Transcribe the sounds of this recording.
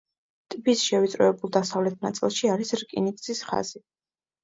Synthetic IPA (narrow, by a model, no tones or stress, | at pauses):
t̪ʼipʰʼisʃɛvit̪sʼɾɔɛbulˠd̪asavlɛt̪̚ʰna̰t̪sʼḭlˠʃiaɾisɾkʼḭnik̪ʼzisχa̰z̥i